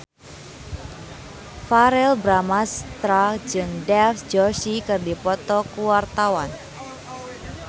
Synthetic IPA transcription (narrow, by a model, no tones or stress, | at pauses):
faɾɛlbɾamast̪ɾad͡ʒɨŋdɛfd͡ʒɔʃikɨrdipɔt̪ɔkuwart̪awan